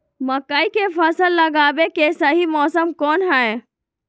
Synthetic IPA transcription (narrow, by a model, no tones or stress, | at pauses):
məkəikepʰəsəlːəɡaːbekesəɦimɔːsəmkɔːnɦəe